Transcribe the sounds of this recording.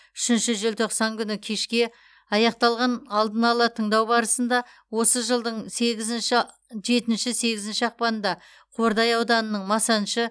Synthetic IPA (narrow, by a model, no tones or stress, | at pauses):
ʏʃɪnʃɪʒelt̪ʰo̞qsɑŋkʲʰʏnɪkʲʰe̞ʃkʲe̞ | ɑjɑqt̪ɑlˠʁɑnɑlˠd̪ənɑlˠət̪ʰəɴd̪ɑwbɑɾəsənd̪ɑ | wo̞səʒəlˠd̪əɴseɡʲɪzʃ | ʒe̞t̪ɪnʃɪse̞ɡʲɪzɪnʃɪɑq̚pɑnənd̪ɑ | qʰo̞ɾd̪ɑjɑwd̪ɑnənəɴmɑsɑnʃə